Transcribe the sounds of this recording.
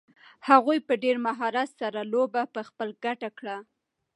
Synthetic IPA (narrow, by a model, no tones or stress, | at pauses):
haɣujpəɖeɾmaɦɑɾat̪saɾalobapəxpəlɡaʈakɽa